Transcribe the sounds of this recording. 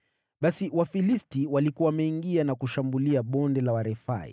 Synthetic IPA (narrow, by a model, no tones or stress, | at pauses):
ɓasiwafilistiwalikuawamɛiŋɡianakuʃambuliaɓɔndɛlawaɾɛfa̰ḭ